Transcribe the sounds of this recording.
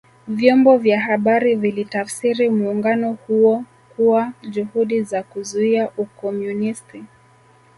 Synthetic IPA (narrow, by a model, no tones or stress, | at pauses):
vjɔmbɔvjaɦaɓaɾivilitafsiɾimuːŋɡanɔhuɔ | kuwaʄuhuɗizakuzuiaʔukɔmjunisti